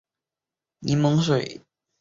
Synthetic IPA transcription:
ni˧˥mɤ˧˥ŋʂ̬we˨˩ɪ

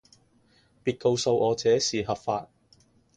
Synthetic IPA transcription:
piː˧t̚ko˧wso˧wʔɔː˨˧t͡sɛː˨˥siː˨ɦɐ˨p̚faː˧t̚

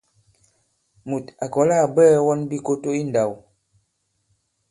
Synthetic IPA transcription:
mu˨ta˨kɔ˨˦la˦˨bɛː˦wɔ˦nbi˦ko˦to˦i˦n̩˨da˨w

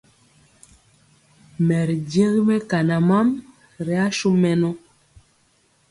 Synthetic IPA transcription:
mɛ˨ɾd͡ʒe˦ɣi˦mɛ˦ka˨na˨ma˦m | ɾɛ˨˦a˦ʃu˦mɛ˨nɔ˦

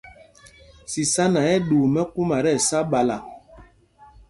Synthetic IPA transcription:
si˨sa˦na˨ɛ˦ɗu˨mɛ˦ku˦ma˨ɾɛ˦˨sa˦ɓa˨la˨

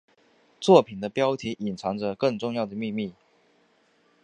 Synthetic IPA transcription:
t͡swɔ˥˩pʰi˨˩d̪ə˦pjɑ˥ʊt̪ʰi˧˥ʔi˨˩nʈ͡ʂʰɑ˧˥ŋd͡zə˧kɤ˥˧ŋʈ͡ʂʊ˥˧ŋjɑ˥˩ʊd̪ə˩mi˥˧mi˥˩

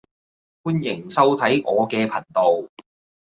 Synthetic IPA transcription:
fuː˥njɪ˨˩ŋsɐ˥wt̪ʰɐ˨˥jʔɔː˨˧kɛː˧pʰɐ˨˩nt̪o˨w

